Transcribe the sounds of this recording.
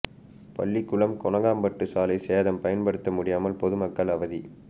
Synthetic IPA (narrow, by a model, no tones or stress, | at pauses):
pɐ̰ɭːikːʊɭɐmkɔɳɐɣaːmbɐʈːɯsaːlɐɪseːðɐmpɐjɐnpɐɽɯt̪ːɐmʊɽɪjaːmɐlpɔðɯmɐkːɐɭɐʋɐði